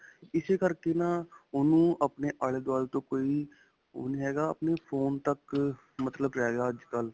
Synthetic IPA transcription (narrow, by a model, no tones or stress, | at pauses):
ɪsekəɾkenaːʊnũːəpneːʔəɭeːd̪waːlt̪õːkoːiː | o̰niːɦɛːɡaːəpneːpʰoːnt̪ək | mət̪ləbɾɛːɡaːəd͡ʒkəl